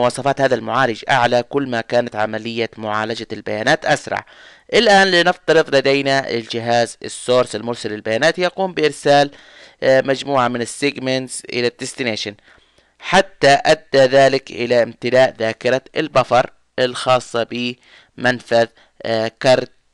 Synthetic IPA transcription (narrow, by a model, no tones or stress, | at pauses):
wɑːsˤɑfɑːt̪haːðalmʊʕaːlɪd͡ʒʔa̰ʕlakʊlːmakaːnat̪ʕamalɪjːamʊʕaːlad͡ʒalbajaːnaːt̪ʔasɾˤɑ̰ʕ | ʔɪlʔaːnlɪnɪft̪ɑɾɨðˤlad̪ajnaɪ̰ld͡ʒɪɦaːzɪ̰sːoːɾsɪlmʊɾsalɪlbajaːnaːt̪jaquːmbɪʔɪɾsaːl | mad͡ʒmuːʕamɪnɪsːɪɡmant̪z̥ʔɪ̰lad̪ːɪst̪ɪneːʃan | ħat̪ːaʔad̪ːaðaːlɪkʔɪ̰laʔɪmt̪ɪlaːʔðaːkɪɾaɪlbɑfɑɾˤ | ɪlxɑːsˤːɑbɪ | manfað | kɑɾˤt̪̚